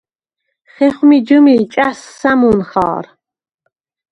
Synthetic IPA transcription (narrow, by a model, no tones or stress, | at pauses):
χɛχmid͡ʒumit͡ʃʼasːamunχɑ̰ːɾ